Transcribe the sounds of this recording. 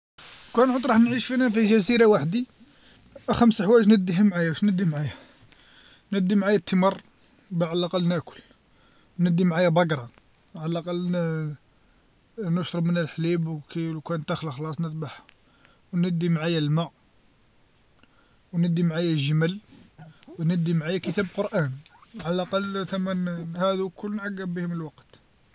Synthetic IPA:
kænʕod̪ɾˤɑħnʕiʃfinæfiʒæziɾawaħd̪i | ʔæxæmsħwæʒnəd̪ːihæmʕajæwʃnəd̪ːimʕajæ | nəd̪ːimʕajæt̪ːəmɑrˤ | baʕalʔaqɑlːnæʔkʊ̥l | wnəd̪ːimʕajæbɑɡɾˤɑ | ʕaləlʔaqɑlː | nʊʃɾˤəbmənəlħlibwklkænt̪æxlaxlɑsˤnət̪baħ | wnəd̪ːimʕajælmaʕ | wnəd̪ːimʕajæʒəməl | wnəd̪ːimʕajækət̪æblqoɾʔænʕallʔɑqɑlːt̪æmːænhæd̪ukʊlːnʕaɡːəbihməlwɑqt̪

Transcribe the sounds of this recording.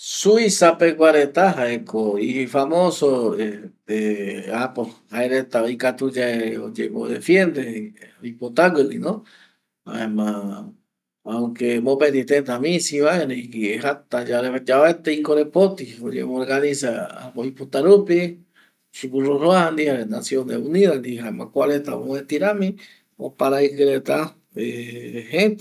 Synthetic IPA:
suisapekʷaɾet̪aɦaekoiifamosoe | eapohaeɾet̪aojkat̪ud͡ʒaeod͡ʒḛβod̪efjend̪eoipot̪aɡɨɾinõ | a̰emã | aukemopend̪it̪et̪amĩsiβaeɾekieɦat̪ad͡ʒaɾeed͡ʒaβet̪eikoɾepot̪iod͡ʒḛmõɾɡanĩsaa̰koipot̪aɾupi | ʃukuroɾoand̪iaɾenasjõneũniðand̪iɦaemãkʷalet̪aowet̪iɾãmĩ | opaɾaikɨɾet̪a | ehẽt̪

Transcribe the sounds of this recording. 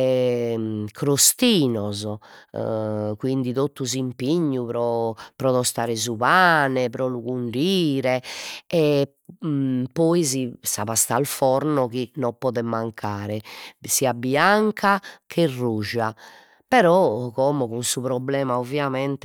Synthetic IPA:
ɛ | kʰɾost̪iːnɔzɔ̰ | kwind̪iðot̪ːuzimpiɲːuβɾɔpɾɔðɔst̪aːɾɛzuβaːnɛpɾɔluɣuɳɖiːɾɛɛ | pːɔizisaβast̪alfɔɾnɔkinɔpɔːðɛmaŋkʰaːɾɛsiːabiaŋkʰakʰɛrːuʒa | pɛɾɔkɔmɔɣunsuβɾɔblɛːmaovjamɛnt̪ɛ

